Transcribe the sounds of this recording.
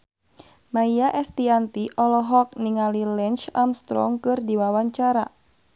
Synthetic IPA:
maiaʔɛst̪iant̪iʔɔlɔɦɔk̚niŋalilɛnt͡ʃamst̪ɾɔ̰ŋkɨrdiwawaɲt͡ʃaɾa

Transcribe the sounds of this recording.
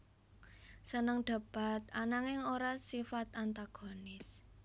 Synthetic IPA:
sənəŋɖ̪̥a̤b̥a̤t̪̚anaŋɪŋoɾasifat̪ant̪aɡ̥o̤nɪs

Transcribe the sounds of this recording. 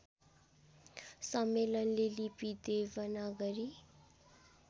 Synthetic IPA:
sʌmːelʌnlelipid̪ebʌnaɡʌɾi

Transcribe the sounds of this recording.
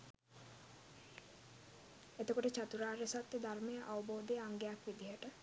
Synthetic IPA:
et̪okoʈet͡ɕat̪uɾaːɾesat̪ːed̪ʱaɾmejəʔawboːd̪eaŋɡejakbid̪iɦəʈə

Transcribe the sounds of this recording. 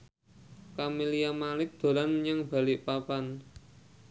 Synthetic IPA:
kamilijamalɪk̚d̪̥o̤lanɲaŋb̥a̤lɪʔpapan

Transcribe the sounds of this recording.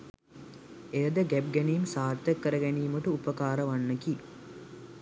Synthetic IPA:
ejəd̪əɡæb̚ɡænijmsaːɾt̪əkːəɾəɡæniːməʈəupəkaːɾəʋanːəki

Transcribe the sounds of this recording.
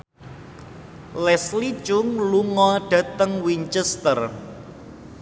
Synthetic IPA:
lɛslit͡ʃʊŋluŋɔɖ̥ä̤t̪əŋwiɲt͡ʃɛst̪ər

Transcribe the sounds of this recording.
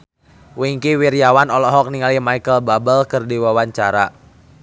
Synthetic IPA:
wiŋkiwiɾjawanɔlɔɦɔk̚niŋalimaikəlbabəlkərdiwawaɲt͡ʃaɾa̰

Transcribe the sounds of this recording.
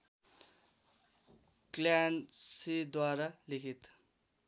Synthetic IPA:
kljansid̪waɾalikʰit̪

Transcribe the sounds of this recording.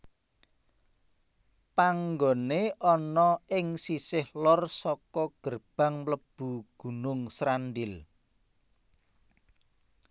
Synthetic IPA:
paŋɡoneʔɔnɔɪŋsisɪhlɔrsɔkɔɡ̥ərb̥a̤ŋləb̥uɡ̥ṳnʊŋsɾanɖɪl

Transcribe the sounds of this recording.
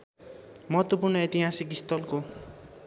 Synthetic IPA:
mʌɦʌt̪wopurnʌjet̪iɦasikist̪ʌlko

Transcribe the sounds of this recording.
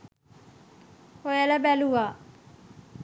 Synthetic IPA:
hojalabɛlua

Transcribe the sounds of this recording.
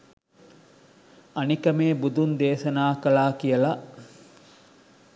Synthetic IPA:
ɐnikɐmeːbud̪und̪eːʃɐnaːkɐlaːkijɐlɐʔ

